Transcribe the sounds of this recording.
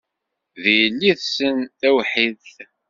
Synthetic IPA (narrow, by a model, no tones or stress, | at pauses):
ðjəlːiðsənθæwħiðθ